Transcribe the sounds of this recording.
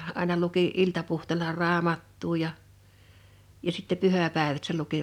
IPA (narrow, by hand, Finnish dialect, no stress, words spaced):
ɑˑe̝nɑ luki iltɑpuhteˑlɑ rɑːmɑtːuː jɑ jɑ sitːe pyhæˑpɑˑeʋæt se luki